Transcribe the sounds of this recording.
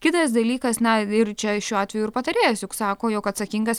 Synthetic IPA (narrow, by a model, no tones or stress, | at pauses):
kʲɪt̪ɐsd̪ɐlʲiːkɐsnɐɪrt͡ʃʲɛʃʲuːɑːt̪ʲʋʲɛjʊɪɾpɐt̪ɐɾʲeːjosjʊksɑːkoːjokɐt̪sɐkʲiŋɡɐs